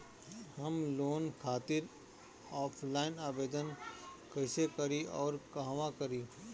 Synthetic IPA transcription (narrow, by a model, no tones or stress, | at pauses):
hɐmloːnkʰaːt̪ɪɾ | ɔːpʰlaːɪnaːbeːd̪ənkɐɪsekɐɾiɔːɾkɐɦʋakɐɾiː